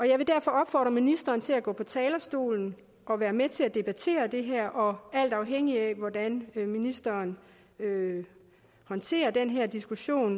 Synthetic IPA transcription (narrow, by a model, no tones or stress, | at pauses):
ʔɒ̽jɑ̈ɪʋe̝d̥æɐ̰fɒ̽ɒ̽b̥fɒ̰ːd̥ʁɐminisd̥ɐːnt͡sʰe̝læɡ̥ɔ̰̽ːpʰɒ̽t͡sʰɛːlɐsd̥o̝̰ːln̩ | ʔɒ̽ʋæːɐmet͡sʰe̝læd̥e̝b̥æt͡sʰe̝̰ːɐd̥e̝ɦæɐ̰ʔɒ̽æl̰d̥ɑ̈ʊɦeŋ̰iæʋɒd̥ænminisd̥ɐːn | ø | hɒ̽nt͡sʰe̝̰ːɐd̥enɦæɐ̰d̥isɡ̥uɕo̝̰ːn